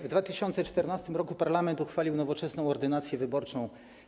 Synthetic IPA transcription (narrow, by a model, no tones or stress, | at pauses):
vd̪vat̪ɘɕɔnt̪sɛt͡ʂt̪ɛɾnast̪ɘmɾɔkupaɾlamɛnt̪uxfalʲiwnɔvɔt͡ʂɛsnɔ̃w̃ɔɾd̪ɘnat̪sʲjɛvɘbɔɾt͡ʂɔ̃w̃